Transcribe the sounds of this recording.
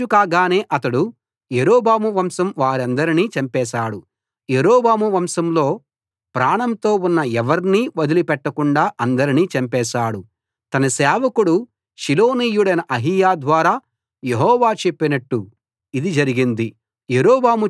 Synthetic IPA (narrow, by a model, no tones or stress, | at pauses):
ukaːɡaːne̞ːʔɐt̪ɐɽu | jeɾoːbaːmuʋɐmsɐmʋaːɾiɐnd̪ɐɾiniːt͡ʃɐmpɛːʃaːɽu | jeɾoːbaːmuʋɐmsɐmlo̞ː | pɾaːɳɐmt̪o̞ːunːɐɛʋɐɾniʋɐd̪ilipɛʈːɐkuɳɖaːʔɐnd̪ɐɾiniːt͡ʃɐmpɛːʃaːɽu | t̪ɐnɐsɛːʋɐkuɽu | ʃiloːniːjuɽɐjnɐʔɐɦijaːd̪ʋaːɾaː | jeɦɔːʋaːt͡ʃe̞pːinɐʈːu | id̪id͡ʒɐɾiɡind̪i | jeɾoːbaːmu